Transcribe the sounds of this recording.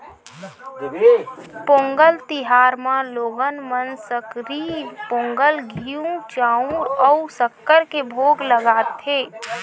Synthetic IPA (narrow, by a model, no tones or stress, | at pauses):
põːŋɡəlt̪ɪɦaːɾmãloːɡənmənsəkɾiːɾpõːŋɡəlɡʱiũt͡ʃaːũɾɔʊsəkːəɾkebʱoːɡləɡaːt̪ʰeː